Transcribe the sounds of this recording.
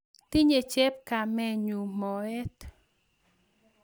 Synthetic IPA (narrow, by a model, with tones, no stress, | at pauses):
t̪i˦ɲe˨t͡ʃɛ˦p̚ka˨mɛ˦˨ɲu˨mɔ˨ɛ˦t̪